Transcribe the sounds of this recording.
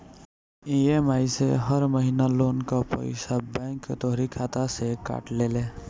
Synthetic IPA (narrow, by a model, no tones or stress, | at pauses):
iemaːjseɦəɾməɦiːnaloːnkapə̰ɪsabɛ̃ŋkt̪ɔɦɾikʰaːt̪aseka̰ːʈleːle